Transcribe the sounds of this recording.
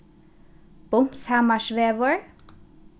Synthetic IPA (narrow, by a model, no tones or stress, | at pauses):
b̥ʊmpshæmɑʃʋeːʋəɹ